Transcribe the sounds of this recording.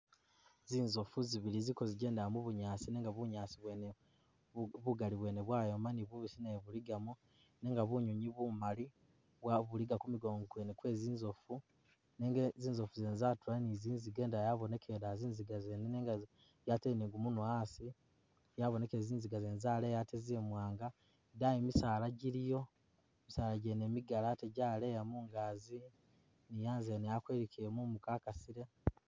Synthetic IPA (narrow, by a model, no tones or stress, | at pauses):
ziːnzofuziβilizikoziɟe̞ːndamuβuɲaːsineːŋɡaβuɲaːsiβwene | βuɡaliβwe̞ːneβwaːjomaniβuβisinajeβuliɡamu | neːŋɡaβuɲuɲiβumali | βwaβuliɡakumiɡo̞ːŋɡokwenekwe̞ːziːnzofu | neŋɡziːnzofuzeːnzatulaniziːnziɡe̞ːndajaβo̞ne̞kʰeːɾaziːnziɡazeneneŋɡa | jateniːŋɡumunwaːsi | jaβo̞ne̞keziːnziɡazeːnzaːlejatezemwaːŋɡa | dajimisaːlaɟiɾijo̞ | emisaːlaɟenemiɡalateɟaːle̞jamuŋɡaːzi | nijaːnzenejakweɾikʰemumukaːkasiɾe